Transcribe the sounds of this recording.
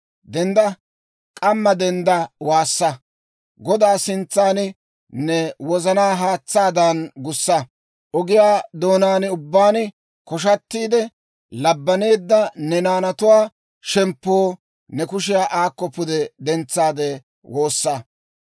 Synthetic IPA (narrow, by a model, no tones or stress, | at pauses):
d̪ɛnd̪ɐ | kʼɐmːɐd̪ɛnd̪ɐwaːsːɐ | ɡɔd̪aːsɪnt͡sːaːn | nɛwɔzɐnaːɦaːt͡sːaːd̪ɐnɡʊsːɐ | ʔɔɡɪjaːd̪o̞ːnaːnʊbːaːn | kɔʃ̬ɐt̪ːiːd̪ɛ | lɐbːɐne̞ːd̪ːɐnɛnaːnɐt̪ʊwaː | ʃɛmpːoː | nɛkʊʃ̬ɪjaːʔaːkːɔpːʊd̪ɛd̪ɛnt͡sːaːd̪eː | wo̞ːsːɐ